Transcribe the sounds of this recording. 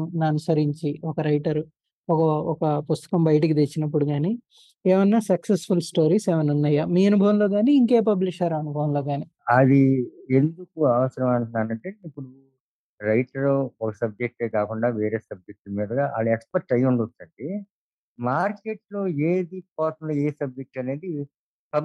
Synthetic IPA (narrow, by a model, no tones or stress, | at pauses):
nanusɐɾiɲt͡ʃiɔkɐɾɐjʈɐɾ | ɔkɐɔkɐpust̪ɐ̥kɐmbɐjʈ̬ik̬id̪et͡ʃːinɐp̬ːuɽuɡaːni | eːmɐnːaːsɐksespʰulsʈo̞ːɾiːseːʋɐnunːɐjːaːmiːɐnubʱɐʋɐmlo̞ːɡaːniːŋkeːp̬ɐbliʃɐɾɐnubʱɐʋɐmlo̞ːɡaːni | ɐd̪ie̞nd̪ukuɐʋɐsɐɾɐmɐnunaːnɐɳʈeipːuɽu | ɾɐjʈɐɾoɔkɐsɐb̚d͡ʒek̚ʈeːkaːkuɳɖaːʋeːɾeːsɐb̚d͡ʒek̚ʈmiːd̪ɐɡaːʔaliekspeɾ̚ʈɐjuɳɖut̪ːɐɳʈi | maːɾkeʈlo̞ːeːd̪ikɔːsɐmloːeːsɐb̚d͡ʒek̚ʈɐne̞ːd̪i | pɐ